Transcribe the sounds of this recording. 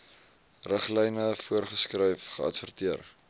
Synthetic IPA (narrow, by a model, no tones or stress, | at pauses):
rəχlɛjnəfuərχəskrɛjfχəɐ̰tfərtiər